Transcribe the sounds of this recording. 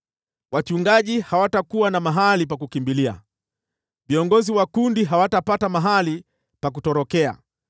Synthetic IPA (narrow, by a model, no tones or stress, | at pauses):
wat͡ʃuŋɡaʄihawatakuwanamaɦalipakukimbilia̰ | viɔŋɡɔziwakundiɦawatapatamaɦali | pak̬utɔɾɔkɛa̰